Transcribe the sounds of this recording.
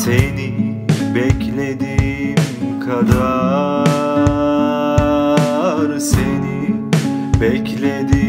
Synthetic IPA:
seni | bɛcʰlʲed̪imkʰad̪a | ɾseni | bɛclʲed̪i

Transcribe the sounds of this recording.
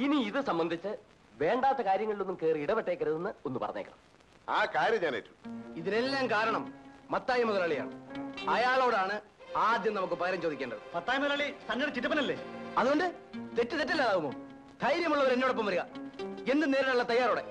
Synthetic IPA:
iniiðɨsɐmbɐnd̪ʱit͡ɕːɨ | ʋe̞ːɳɖaːt̪ːɐkaːɾjɐŋːɐɭilonːumkeːriɽɐpeʈːeːkːɐɾuðunːɨonːupɐrɐɲːḛːkːɐɳɐ̰m | a̰ːkaːɾjɐmɲaːnḛːtːu̥miðine̞lːaːmkaːɾɐɳɐmːɐt̪ːaːjɐmoðɐlaːɭija̰ːɳɨɐjaːɭo̞ːɽaːɳɨ | aːd̪jɐmnɐmukːɨpɐɣɐɾɐmt͡ɕo̞ːd̪ikʲːeːɳɖɐðɨ̰mɐt̪ːaːjɐmɐðɐlaːɭisɐnːɐɽɐt͡ɕiʈːɐpːɐnɐlːeːɐðuɣo̞ɳɖɨ | t̪e̞tːɨt̪etːɐlːaːðaːɣumo̰ː | d̪ʱɐjɾjɐmuɭːɐʋɐɾenːoːɽɐpːɐmʋɐɾuɣɐe̞nd̪ɨne̞ːɾɐɽuɭːɐt̪ɐjːaːɾo̞ːɽe̞

